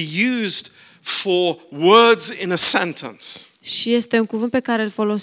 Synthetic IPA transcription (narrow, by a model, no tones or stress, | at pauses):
ijʉzd̥ | fəwɜ˞dzɪ̃nəsɛ̃ntʰə̰̃nsʃije̞st̪e̞uŋkuvɨnt̪̚pe̞kaɾe̞lfo̞lo̞s